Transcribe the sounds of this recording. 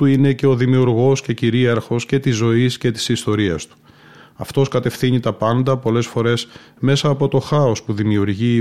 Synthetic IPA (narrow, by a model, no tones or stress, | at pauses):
uine̞ce̞o̞ðimiuɾɣo̞sce̞ciɾiɐɾxo̞sce̞t̪izo̞isce̞t̪i̥sist̪o̞ɾiɐst̪u̥ | ɐ̰ft̪o̞skɐt̪e̞fθiɲit̪ɐpɐnd̪ɐpo̞le̞sfo̞ɾe̞s | me̞sɐːpo̞t̪o̞xɐo̞spuðimiuɾʝi